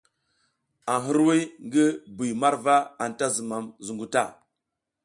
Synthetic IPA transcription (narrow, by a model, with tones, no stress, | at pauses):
a˨ɦi˦ɾwi˦ŋɡi˦bi˨jma˦ɾva˦a˨nta˦zi˨ma˨mzu˨ŋɡu˨ta̰˦˨